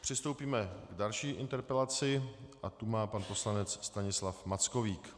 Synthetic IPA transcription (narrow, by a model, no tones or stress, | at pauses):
pr̝̥ɪst̪o̞wpiːmɛɡdalʃiːʔɪnt̪ɛɾpɛlat͡sɪʔat̪umaːpanpo̞slanɛt͡sst̪aɲɪslafmat͡skoviːk